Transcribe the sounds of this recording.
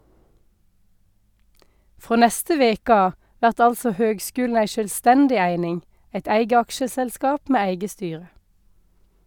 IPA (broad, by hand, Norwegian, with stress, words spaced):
ˈfʁoː ˈnɛstə ˈʋeːk ˈɑː ˈʋæʁt ˈɑlsɔ ˈhøːɡˌskʉːln̩ ˈæɪ ʃœlˈstɛndɪ ˈæɪnɪŋ ˈæɪt ˈæɪɡə ˈɑkʃəsɛlˌskɑːp ˈmeː ˈæɪɡə ˈstyːʁə